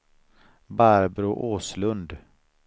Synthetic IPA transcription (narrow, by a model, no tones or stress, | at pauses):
baɾbɾʊʔoːslɵnd̪